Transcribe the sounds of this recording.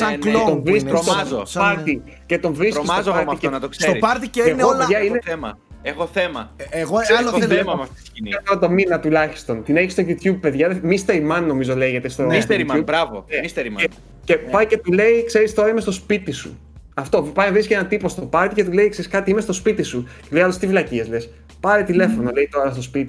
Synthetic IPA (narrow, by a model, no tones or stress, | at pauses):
sɐleooɱvɾisst̪ozopɐɾt̪i | ce̞t̪o̞ɱvɾisismozɐɐiftenɐt̪okseoɾispɐɾt̪ieeneopeʝɐineθemɐ̰ | exoθemɐeɣoeemɐmɐfsinit̪oɾɐt̪o̞minɐt̪ulɐçi̥st̪o̞nt̪ineçist̪oʝut̪jub̚peðʝɐðemist̪eɾimɐnːo̞mizole̞ʝet̪est̪oiseɾiubbɾɐvomist̪eɾimɐe | cepɐjcet̪ule̞ikse̞ɾist̪o̞ɾɐimest̪o̞spit̪isṵ | ɐft̪o̞pɐjnvɾiscenɐt̪ipo̞st̪o̞pɐɾt̪ice̞t̪ule̞ikseɾiskɐt̪iimest̪o̞spit̪isuceuljɐlost̪ifilɐciezles | pɐɾet̪ile̞fo̞no̞le̞it̪o̞ɾɐst̪o̞spit̪i